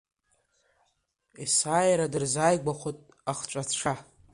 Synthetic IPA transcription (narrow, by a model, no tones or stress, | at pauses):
isajɾadɨrzajɡʷaχʷotʼ | aχt͡ʃʷʼat͡sʈ͡ʂʰa